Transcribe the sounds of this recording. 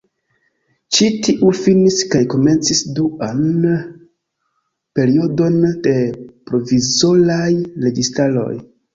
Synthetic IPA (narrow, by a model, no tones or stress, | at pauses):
t͡ʃitiʔufiniskajko̞me̞nt͡sisduan | pe̞ɾio̞do̞nd̥e̞pɾo̞vizolajɾe̞ɡistalo̞̰j